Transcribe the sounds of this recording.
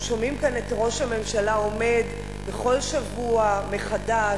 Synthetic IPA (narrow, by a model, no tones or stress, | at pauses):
ʃo̞mimkane̞taʁo̞ʃhame̞mʃalao̞me̞d | beχo̞lʃavuame̞χada